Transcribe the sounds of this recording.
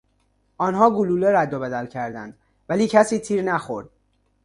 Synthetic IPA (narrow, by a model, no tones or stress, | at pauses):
ʔɒːnhɒːɡuluːleɾæd̪ːobæd̪ælcʰæɾd̪ænd̪̥ | væliːcʰæsiːt̪ʰiːɾnæxoɾd̪̥̚